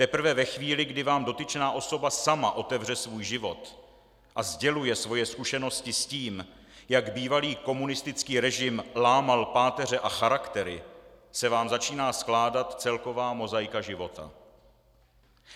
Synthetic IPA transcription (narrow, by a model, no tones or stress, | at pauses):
t̪ɛpɾ̩vɛvɛxviːlɪɡdɪvaːmdo̞t̪ɪt͡ʃnaːʔo̞so̞basamaʔo̞t̪ɛvr̝ɛsvuːjʒɪvo̞t̪ | ʔazɟɛlujɛsvo̞jɛskuʃɛno̞scɪsciːm | jaɡbiːvaliːko̞munɪst̪ɪt͡skiːɾɛʒɪmlaːmalpaːt̪ɛrɛʔaxaɾakt̪ɛɾɪsɛvaːmzat͡ʃiːnaːsklaːdat̪t͡sɛlko̞vaːmo̞zajkaʒɪvo̞t̪a̰